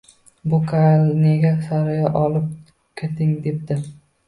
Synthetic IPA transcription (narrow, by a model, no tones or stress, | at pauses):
bʊkʰalne̞ɡʲasaɾɪjaʔɒlɪp̚ | kʲʰet̪ʰɪŋd̪e̞p̚d̪̥ɪ